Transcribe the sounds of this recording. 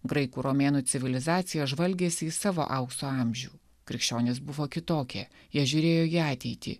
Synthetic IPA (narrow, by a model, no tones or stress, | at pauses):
ɡɾɐɪkuːɾomʲeːnuːt̪sʲɪʋʲɪlʲɪzɑːt̪sʲɪjɛʒʋɐlʲɡʲeːsʲɪiːsɑːʋo̰ːʔɐʊkst̪oːɑˑmʲʒʲṵː | kɾʲɪkʃʲt͡ʃʲoːnʲeːs̬bʊʋoːkʲɪt̪oːkʲɛ̰ː | jiɛʒʲʊɾʲeːjoːiːɑːt̪ʲɛɪt̪ʲḭː